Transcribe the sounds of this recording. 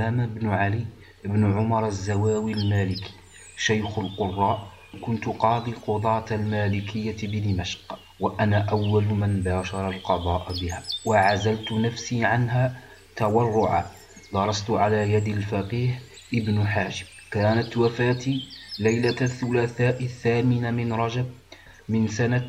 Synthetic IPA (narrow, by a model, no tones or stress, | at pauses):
æmabnʊʕaliː | ʔəbnʊʕʊmɑɾˤazːæwaːwilmælɪki̥ | ʃajxʊlqʊrˤːɑːʔ | kʊnt̪ʊqɑːd̪ˤiqʊd̪ˤɑːt̪lmæːlɪkʰɪjːabd̪imæʃq | waʔænaʔawːælmənbaːʃɑɾˤɑlqɑd̪ˤɑːʔbɪhæːwaʕazalt̪ʊnafsiːʕanɦaː | t̪awɑrˤːʊʕa̰ | d̪ɑɾˤɑst̪ʊʕalaːjad̪alfɑqiːh | ʔɪbnʊħaːʃɪ̥m | kaːnat̪wafaːt̪ilajlaθːʊlaːθaːʔɪθːaːmɪnamɪnɾˤɑd͡ʒab̚ | mɪnsana